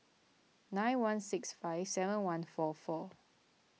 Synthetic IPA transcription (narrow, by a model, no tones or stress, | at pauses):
nãj̃nwãnsɪksfaɪvsɛvə̃nwãnfɔfɔ